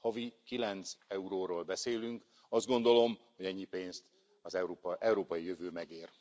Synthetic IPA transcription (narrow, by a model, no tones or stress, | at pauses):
hɒvikilɛnt̪sɛuɾoːɾoːlbɛseːlyŋk | ɒzd̪̚ɡo̞nd̪olo̞mho̞ɟɛɲːipeːnst̪ | ɒzɛpɛuɾoːpɒjijøvøːmɛɡeːr